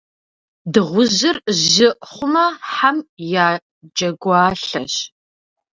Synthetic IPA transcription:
dɨʁʷʊʑɨrʑɪʔχʷʊmɐħamjaː | d͡ʒɐɡʷɑːɬɐɕ

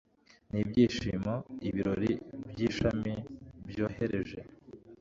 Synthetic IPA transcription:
nibjiːʃiːmaiβiɾo̞ɾibjiːʃamibjo̞ːhe̞ɾe̞ʒe̞

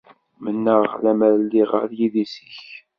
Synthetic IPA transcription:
mənːəʁlæməɾlːiʁə̰ɾjiðisə̥ç

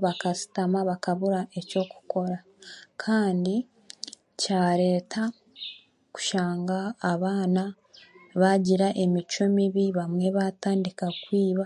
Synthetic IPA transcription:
βakasi̥tamaβakaβuɾaʔe̞co̞ːku̥ko̞ɾa | kʰaːndi | caːɾe̞ːtʰa | ku̥ʃaːŋɡaːβaːna | βaɟiɾaʔe̞mit͡ʃomiβiβamwe̞βataːndikakwiːβa

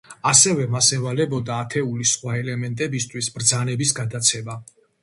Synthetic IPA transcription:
asɛvɛmasɛvalɛbɔd̪aːt̪ʰɛulisχwaɛlɛmɛnt̪ʼɛbist̪ʰwisbɾd̪zanɛbisɡad̪at̪sʰɛma

